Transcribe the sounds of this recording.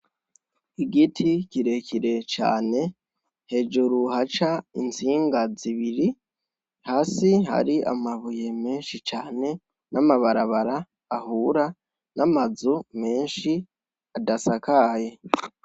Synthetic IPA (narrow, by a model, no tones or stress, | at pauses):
iɡitʰiciɾe̞kʰiɾe̞t͡ʃa̰ːne̞ | he̞ːd͡ʒuɾuhat͡ʃaint͡siːŋɡaziβiɾi | haːsiɦa̰ɾia̰maβuje̞me̞ːnʃit͡ʃaːne̞ | namaβaɾaβaɾaː | huːɾa | namazume̞ːnʃi | adasakaje